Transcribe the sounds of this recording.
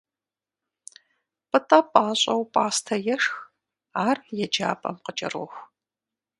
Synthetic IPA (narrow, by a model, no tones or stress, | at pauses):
pʼɨtʼɐpʼaːɕʼɐwpʼaːstʰɐjɛʂx | aːrjɛd͡ʒa̰ːpʼɐ̰mqəd͡ʒɐ̰roːxʷ